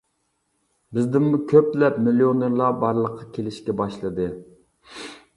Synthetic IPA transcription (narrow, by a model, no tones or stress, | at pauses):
bɪzd̪ɪmmukʲʰøp̚t̪lɛp̚milioneɾlˠɑbɑɾlˠəqʰːɑkʲʰelɪʃkʲɛbɑʃlˠɨd̪ɨ